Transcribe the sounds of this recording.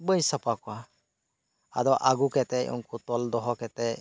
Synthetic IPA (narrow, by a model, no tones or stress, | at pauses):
bəjsapakɔa | a̰dɔʔaɡukɛt̪ɛɔ̰ŋkut̪ɔld̪ɔɦɔkɛt̪ɛ